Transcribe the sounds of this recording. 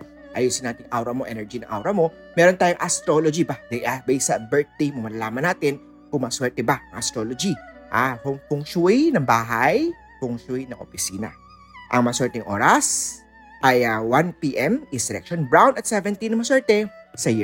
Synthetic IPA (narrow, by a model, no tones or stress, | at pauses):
ʔɐjuːsɪnaːt̪ɪŋʔawɾɐmoʔɛ̰nɛɹd͡ʒinɐ̰ŋʔa̰wɾɐmo̞ | mɛɾont̪aːjoŋʔɐst̪ɾolod͡ʒibɐd̪ɛjʔabɛjsɐbɛɹt̪̚d̪ejmomɐlɐlaːmɐnaːt̪ɪn | kʊŋmɐswɛɹt̪ɛbaɐŋʔɐst̪ɾoːlod͡ʒiʔafʊŋpʊŋʃʊijnɐŋbaːɦaj | kʊŋʃɛjnɐŋʔo̰pɪsiːnɐ̰ | ʔɐŋmɐɐswɛɹt̪ɛŋʔo̞̰ːɾɐs | ʔɐjawanpiːʔɛmɪsɛɾɛ̰kʃonbɹawnɐt̪̚sɛvɛnt̪inɐmɐɐswɛɹt̪ɛsɐji